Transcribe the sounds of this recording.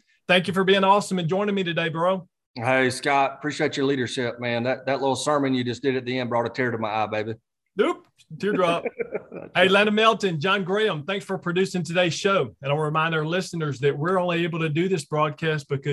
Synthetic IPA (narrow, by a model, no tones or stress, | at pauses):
θæ̃ŋk̬jɨfə˞biɪ̃ŋɔsə̃mɨ̃nd͡ʒɔ̃ɪ̃nɪ̃ŋmiɾɨdeɪbə˞oʊ | heɪskɑt̚əpʰɹ̥iʃieɪt͡ʃə˞liɾə˞ʃɪp̚mæ̃nðɨt̪̚ðɨtˡlɪɾl̩ˠsɜ˞mɨ̃njɨd͡ʒʌsd̥ɨɾɨt̪̚ðiɛ̃ndbɹɔɾɨtʰɪɹɾəmaɪaɪbeɪbi | up̚ | tʰɪɹdɹɑp̚heɪlænɨmɛlˠtɨ̃nd͡ʒɑ̃nɡɹeɪə̃mθæ̃ŋksfə˞pʰɹ̥ɨdʉsɪ̃ŋtʰɨdeɪz̥ʃoʊɨ̃naɪɹɨmãɪ̃nda˞lɪsnə˞zðɨt̚wɪɹõʊ̃nlieɪbl̩ˠtɨdɨðɪsb̥ɹɔd̚kʰæst̚b̥ɨkʌ